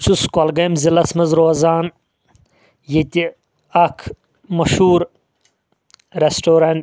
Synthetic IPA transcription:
t͡ʃʰuskɐlɡɐmzilɐsmɐzɾoɐzaːn | jet̪ʲi | ɐkʰ | mɐʃuːɾ | ɾesʈoːɾɐn

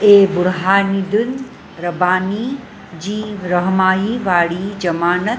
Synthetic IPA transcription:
eːbʊɽɦaːnid̪ʊn | ɾɐbaːni | d͡ʑiːɾɐɦmaːiʋaːɽid͡ʑɐmaːnət̪

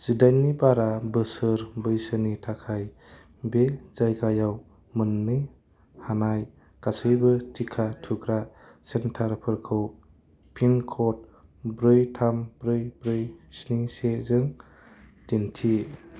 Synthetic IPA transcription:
z̥idajnːibaɾabɯsɯɾbɯjsɯnitʰakʰaj | bezajɡajaw | mɯnni | hanaj | kasɯjbɯtʰikʰatʰuɡɾa | sentʰaɾpʰɯɾkʰɯw | pʰinkʰɔt̚bɾɯjtʰambɾɯjbɾɯjsniŋsezɯŋ | tintʰi

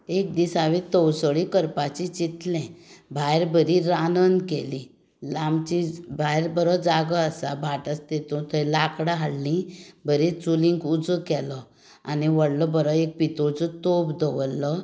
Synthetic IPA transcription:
ek̚d̪isaʋĩt̪əwsəɭikəɾpat͡ɕit͡ɕit̪lɛ̃bʱajɾbəɾiɾanənkelĩ | lamt͡ɕibʱajɾbəɾɔd͡zaɡəəsabʱaʈəst̪et̪ũt̪əlakɽaɦaɽlĩbʱəɾet͡sulĩŋkud͡zəkɛlɔ | aniʋəɽlɔbəɾɔek̚pit̪od͡zət̪obd̪əʋlːɔ

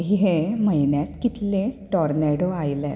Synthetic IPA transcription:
ɦiɦeməjnjat̪kit̪leʈɔɾneɽoajla̰

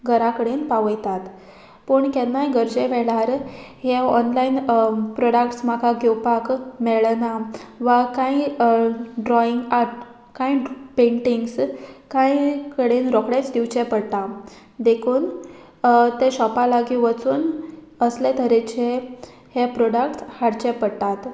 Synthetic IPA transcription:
ɡʱəɾakəɽenpaʋəjt̪at̪ | pəɳkɛnːajɡəɾd͡ʑeʋɛɭaɾɦeɔnlainpɾɔɽək̚ʈsmakʰaɡʱewpakmɛɭnaʋakãi | ɖɾɔiŋɡaɾʈ | kaipeɳʈiŋɡskãjkəɽenɾɔkɽẽt͡sd̪iwt͡ɕepəɽt̪a | d̪ekʰuːn | t̪eɕɔpalaɡiʋət͡suːn | əslet̪əɾet͡ɕe | hepɾɔɽakʈshaɽt͡ɕepəɽt̪at̪

